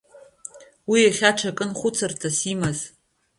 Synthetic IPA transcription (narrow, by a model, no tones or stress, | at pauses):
wiaχʲaʈ͡ʂʰakʼɨnχʷʊt͡sʰɨrtʰasimaz